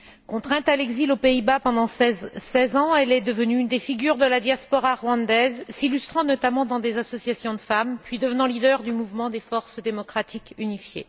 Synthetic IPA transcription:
kɔ̃t̪χɛ̃t̪alɛɡzilopeibapɑ̃d̪ɑ̃sɛsɛzɑ̃ɛlɛd̪əvənyːnd̪efiɡʲyʁd̪əlad̪jaspɔʁaʁwɑ̃d̪ɛzsilyst̪χɑ̃nɔt̪amɑ̃d̪ɑ̃d̪ezasɔsjasjɔ̃d̪əfampɥid̪əvənɑ̃lid̪œʁd̪ymuvmɑ̃d̪efɔʁsd̪emɔkχat̪ʰikynifjḛ

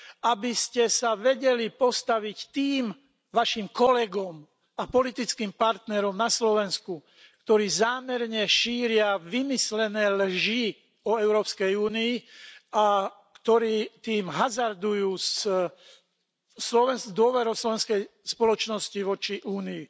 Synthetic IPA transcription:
abiscɛsaʋɛɟɛlipɔst̪aʋict̪iːm | ʋaʃimkɔlɛɡɔm | apɔlit̪it͡skiːmpaɾt̪nɛɾɔmnaslɔʋɛnsku | kt̪ɔɾiːzaːmɛɾɲɛʃiːɾɪaʋimislɛnɛːlʒi | ɔɛʊɾɔːpskɛjuːniːa | kt̪ɔɾiːt̪iːmɦazaɾd̪ujuːs | slɔʋɛnd̪ʊɔʋɛɾɔʊslɔʋɛnskɛjspɔlɔt͡ʃnɔsciʋɔt͡ʃiʔuːnii

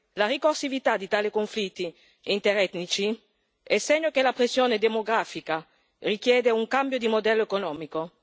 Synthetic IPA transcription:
larikorsivit̪ad̪it̪aːlikoɱflit̪ːi | int̪eɾɛt̪nit͡ʃi | esːɛɲːokelapɾesjoːned̪emoɡɾaːfika | rikjɛːd̪euŋkambjod̪imod̪ɛlːoekonɔːmiko

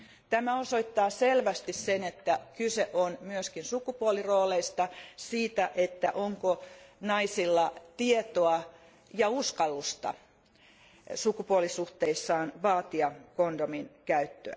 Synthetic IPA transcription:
t̪æmæosoit̪ːɑːselʋæst̪issenet̪ːækyseʔonmyøskinsukupuoliroːleist̪ɑsiːt̪æʔet̪ːæʔoŋkonɑisilːɑt̪iet̪oɑ | jɑuskɑlːust̪ɑ̰ | sukupuolisuht̪eisːɑːnʋɑːt̪iɑkondominkæyt̪ːø̰æ̰

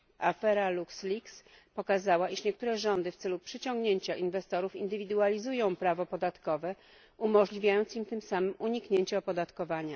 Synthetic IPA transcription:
afɛɾalukslʲiks | pɔkazawaiʂɲɛk̚t̪uɾɛʐɔnd̪ɘft̪sɛlupʂɘt͡ɕɔ̃ŋɡɲeɲt͡ɕaʔinvɛst̪ɔɾufind̪ɘvʲid̪ualʲizujɔ̃w̃pɾavɔpɔd̪at̪kɔvɛ | umɔʐlʲivʲjajɔnt̪simt̪ɘmsamɘmuɲikɲeɲt͡ɕɛɔpɔd̪at̪kɔvaɲa

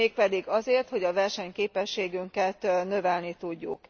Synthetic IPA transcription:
eːk̚pɛd̪iɡɒzeːrt̪ho̞ɟɒvɛrʃɛɲkeːpɛʃːeːɡyŋkɛt̪nø̞vɛlnit̪uɟːuk

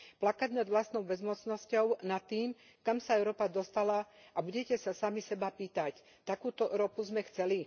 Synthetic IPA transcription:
plakaɟnad̪ʋlast̪nɔʊbɛzmɔt͡snɔscɔʊnat̪ːiːm | kamsaɛʊɾɔːpad̪ɔst̪alaʔabuɟɛcɛsasamisɛbapiːt̪ac | t̪akuːt̪ɔɾɔpuzmɛxt͡sɛli

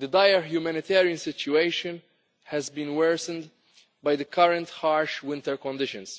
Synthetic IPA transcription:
d̪əd̪ajəɹɦjumænɪt̪ʰɛːɾiə̃nsɪt͡ʃueɪʃə̃n | hɛzbĩːnwɛɹsə̃nd | bajd̪əkʰɐɾə̃nt̪haɹʃwɪ̃nt̪əɹkɔ̃nd̪ɪʃə̰̃ns

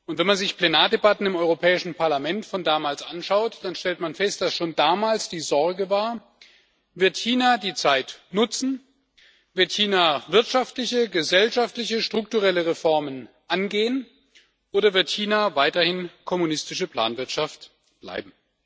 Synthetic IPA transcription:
ʔʊntv̥ɛnmanzɪçpl̥enaːɐdebatn̩ɪmʔɔʏʁopʰɛːɪʃn̩pʰaɐlamɛntfɔndaːmaːlsʔanʃaʊtd̥anʃtɛltmanfɛst̚d̥asʃoːndaːmaːlsd̥iːzɔɐɡəvaːɐ | vɪɐtçiːnadiːt͡saɪtnʊt͡sn̩ | vɪɐtçiːnavɪɐtʃaftlɪçəɡəzɛlʃaftlɪçəʃtʁ̥ʊk̚tuʁɛləʁefɔɐmən | ʔanɡeːən | ʔoːɾɐvɪɐtçiːnavaɪtɐhɪnkʰɔmunɪstɪʃəpl̥a̰ːnvɪɐtʃaft | b̥la̰ɪbm̩

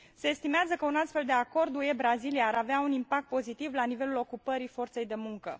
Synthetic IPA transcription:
se̞ːst̪imeazəkəunast̪fe̞ld̪e̞ako̞rd̪uje̞bɾazilijaːɾaveaunimpak̚t̪̚po̞zit̪ivlanive̞lulo̞kupəɾifo̞rt̪se̞jd̪e̞muŋkə̰

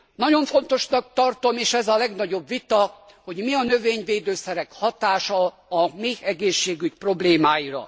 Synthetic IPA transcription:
nɒɟo̞ɱfo̞nt̪o̞ʃnɒk̚t̪ɒrt̪o̞meːʃɛzɒlɛɡnɒɟo̞bʋit̪ɒ | ho̞ɟmiɒnø̞veːɲveːd̪øːsɛɾɛkhɒt̪aːʃɒː | miɛɡeːʃːeːɡycpro̞bleːmaːjiɾɒ̰

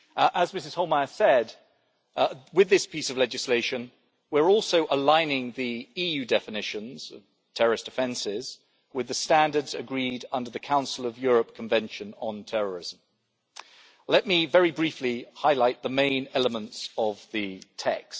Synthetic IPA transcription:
ʔəzmɪsɨz̥hoʊlˠmaɪəsɛd | wɨðɪspisəvlɛd͡ʒɨsleɪʃɨ̃n | wɪɹɔˑlˠsoʊʔəlãɪ̃nɪ̃ŋðiijʉdɛfɨnɪʃɨ̃nz̥ʌv̥ | tʰɛɹəɹɨsd̥ɨfɛ̃nsɪz̥ | wɨðɨstæ̃ndə˞dzɨɡɹidʌ̃ndəðɨkʰãʊ̃nsl̩ˠəvjʊɹəp̚kʰə̃ɱvɛ̃nʃɨ̃nə̃ntʰɛɹə˞ɪzə̃m̩ | lɛʔ̚mivɛɹibɹiˑflihaɪlaɪt̪̚ðəmẽɪ̃nɛləmə̃ntsəvðɨtʰɛ̰kst

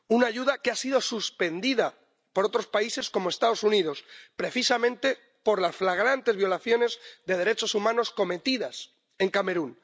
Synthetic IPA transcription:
unaːʝuðakeasiðo̞suspe̞nd̪iða | po̞ɾo̞t̪ɾo̞spaise̞sko̞moest̪aðo̞suniðo̞spɾe̞θisamẽ̞nt̪e̞ | po̞ɾlasflaɣ̞ɾant̪e̞zβjo̞laθjo̞ne̞zðe̞ð̞eɾe̞t͡ʃo̞sumãno̞sko̞me̞t̪iðas | e̞ŋkame̞ɾun

